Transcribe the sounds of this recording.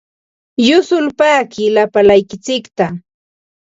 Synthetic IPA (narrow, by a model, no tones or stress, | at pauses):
jʊsʊlpaːkɪlapalajkɪt͡sɪkt̪a